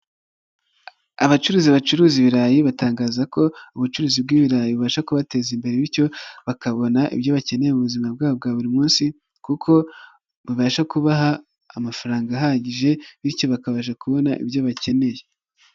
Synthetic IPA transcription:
aβat͡ʃuɾuːziβat͡ʃuɾuːziβiɾaːjiβataːŋɡaːzako̞uβut͡ʃuɾuːzib̚ɡiːβiɾaːjiβuβaːʃakuβate̞zimbe̞ɾeβiɾco̞βakaβo̞naʔḭbjo̞βace̞ne̞jemuβuzimab̚ɡaːβob̚ɡaːβuɾimuːnsi | kukʰo̞ | βuβaːʃakuβaɦaː | mafaɾaːŋɡaɦaɟiʒe̞βiɾco̞βakaβaːʃ̬akuβo̞naʔḭbjoβace̞ne̞je

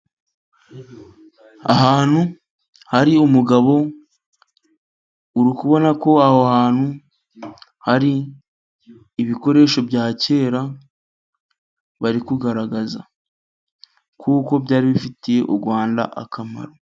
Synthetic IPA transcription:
a̰ɦaːn̥hu | haɾiumuɡaβo̞ | uɾikuβo̞nako̞ahohaːn̥hu | haɾi | βiko̞ɾe̞ːʃo̞bɟaːce̞ːɾa | βaɾikuɡaɾaɡaza̰ | kʰuːko̞bɟaːɾiβifitije̞ʔuɾɡwaːnda̰ʔa̰kʰama̰ɾo̞

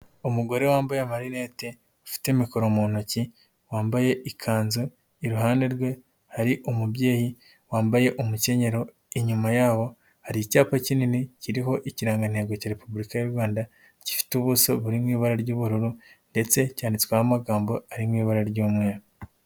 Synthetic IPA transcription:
omuɡo̞ɾe̞waːmbajemaɾinete | afi̥temikoɾomuːn̥uci | waːmbaje̞ʔikʰaːnzu | iɾuɦaːnde̞ɾɡwe̞ | haɾiʔomubje̞ːji | waːmbaje̞ʔomuce̞ɲe̞ɾo̞ | iɲumajaːβo̞ | haɾiːcaːpacininiciɾiɦo̞ʔiciɾaːŋɡan̥he̞ɡo̞caːɾe̞pubuɾikajuɾɡwaːnda | ci̥fi̥tuβusoβuɾimŋiːβaɾaɾɟuːβuɾuɾunde̞t͡se̞caːndit͡skwehamaɡaːmbo̞aɾimŋiːβaɾaɾɟuːmwe

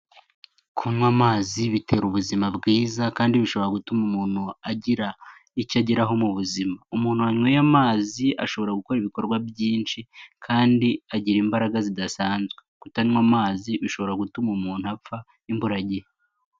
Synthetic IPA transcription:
kʰunwamaːziβite̞ɾuβuzimabɡiːzakaːndiβiʃo̞βo̞ɾaɡutumumuːn̥huaɟiɾa | icaɟiɾaɦo̞muβuzimaumuːn̥huwaɲwejamaːziʔa̰ʃo̞βo̞ɾaɡuko̞ɾiβiko̞ɾɡwabjiːnʃikʰaːndiaɟiɾiːmbaɾaɡazidasaːnzɡwe̞kutanŋwamaːziβiʃo̞βo̞ɾaɡutumumuːn̥huafa | imbuɾaɟej

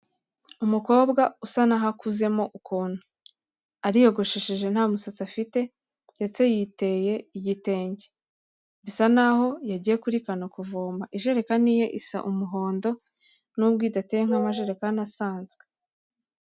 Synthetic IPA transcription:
umuko̞ːbɡausanaɦakuze̞mo̞ʔukuːn̥hu | aɾijo̞ɡo̞ʃeʃeʒe̞n̥haːmusat͡siafite̞ | ndet͡se̞jite̞je̞iɟite̞ːɲɟe | βisanaho̞jaɟije̞kuɾikanokuvoːmbaʔiʒe̞ɾe̞kanije̞ʔisa̰ʔumuɦo̞ːndo̞ | nub̚ɡiːtatejeŋhamaʒe̞ɾekanasaːnzɡwe

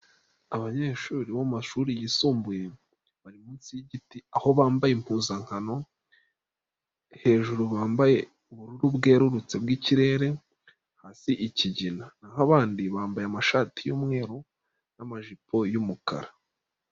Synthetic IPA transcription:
aβaɲe̞ːʃuːɾiβomaʃuːɾijiːsuːmbuje̞ | βaɾimuːnsijiɟitiaho̞βaːmbajempuːnzaŋ̥hano̞ | he̞ːʒuɾuβaːmbaje̞ | uβuɾuɾubɡe̞ːɾuɾut͡se̞bɡiciɾe̞ːɾe̞ | hasiʔiciɟinanaɦaβaːndiβaːmbajamaʃaːtijumŋe̞ːɾo | namaʒipo̞jumukʰa̰ɾa

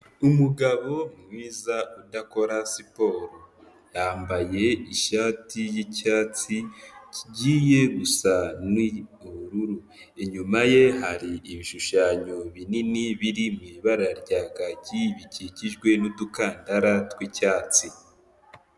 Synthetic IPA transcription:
umuɡaβo̞mŋiːzaudako̞ɾasipo̞ɾo | jaːmbaje̞iʃatijicaːt͡siciɟiːje̞ɡusanwiuβɾuɾu | eɲumaje̞haɾiiβiʃuʃaɲo̞βininiβiɾimwiβaɾaɾɟaːɡaɟiβiciciʒɡwe̞nudukaːndaɾatwicaːt͡si

